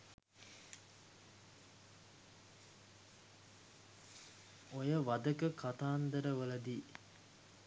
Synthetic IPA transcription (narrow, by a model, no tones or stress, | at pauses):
ojəʋad̪əkəkʰat̪aːnd̪əɾəʋələd̪iː